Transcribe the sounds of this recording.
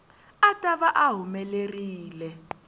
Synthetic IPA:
atʼaβaʔaɦumɛleriːlɛ

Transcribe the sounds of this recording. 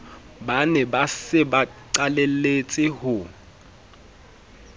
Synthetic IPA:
banɛbasɪbaǀalelet͡sʼɪhʊ

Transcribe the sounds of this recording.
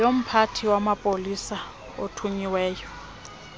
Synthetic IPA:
jom̩pʰatʰiwamapʼolisa | otʰuɲiwɛːjɔ

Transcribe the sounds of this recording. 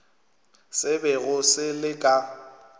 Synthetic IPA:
sɪbɛɣʊsɪlɪkʼa

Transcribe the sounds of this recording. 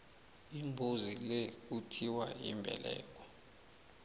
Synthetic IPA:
imbʱozilek̬utʰiwajḭmbʱɛ̰lɛ̰ːk̬ʼɔ̥

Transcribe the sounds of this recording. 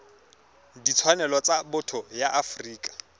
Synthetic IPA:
dit͡sʰwanɛlɔt͡sabʊtʰɔjaʔafriːkʼḁ

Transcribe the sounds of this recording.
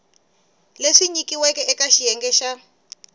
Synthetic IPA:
leʂiɲikiwɛkɛɛkaʃijɛŋɡɛʃa

